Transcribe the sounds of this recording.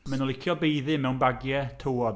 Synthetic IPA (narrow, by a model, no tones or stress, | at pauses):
mɛnɔlˠɪkʰjɔbejðɨmɛwnbaɡjɛtʰowɔd